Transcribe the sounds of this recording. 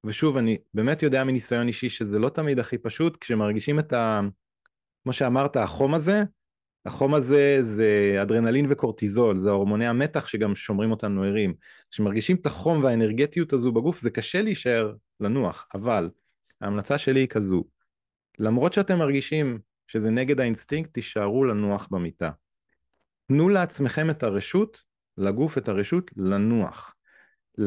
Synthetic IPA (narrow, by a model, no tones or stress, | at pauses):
veʃuvanibeːme̞tjo̞deaminisajo̞niʃiʃezelo̞tamid̪aχipaʃutkʃemaʁɡiʃimeta | kmo̞ʃeamaʁtaaχo̞maze̞ | aχo̞maze̞zeadʁe̞nalinveko̞ʁtizo̞lzeo̞ʁmo̞neame̞taχʃe̞ɡamʃo̞mʁimo̞tanueʁim | ʃemaʁɡiʃimetaχo̞mveaeneʁɡetijutazubaɡufzekaʃe̞leiʃae̞ʁ | lanuaχaval | ha̰ːmlat͡saʃe̞liːkʰazu | lamʁo̞t̪ʃeate̞mːaʁɡiʃim | ʃe̞zene̞ɡe̞dainstiŋk̚t̪ːiʃaʁulanuaχbemita | tnuleat͡sme̞χe̞me̞taʁeʃut | laɡufe̞taʁeʃutlanua̰χ